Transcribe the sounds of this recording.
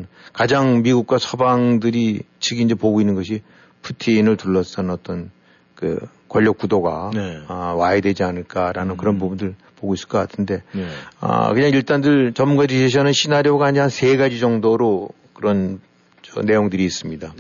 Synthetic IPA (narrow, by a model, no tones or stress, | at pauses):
kad͡ʑaŋmiɡuk̚k͈wasʰʌbaŋdɯɾit͡ɕʰɯɡiind͡ʑepoɡoinːɯnɡʌɕʰi | pʰutʰiːnɯɭtuɭːʌs͈ʌnʌt͈ʌn | kɯ̰ | kwʌʎːʌk͈̚udoɡa | waedwe̞d͡ʑianɯɭk͈aɾanɯnkɯɾʌnpubundɯɭ | poɡois͈ɯ̥ɭk͈ʌkatʰɯnde̞ʌ̰kɯɲaŋiɭt͈andɯɭt͡ɕʌmːuŋɡad͡ʑiɕʰeɕʰʌnɯnɕʰinaɾjoɡaaɲansʰe̞ɡad͡ʑid͡ʑʌŋdoɾo | kɯɾʌn | t͡ɕʌ̰ne̞joŋdɯɾiːs͈ɯmɲida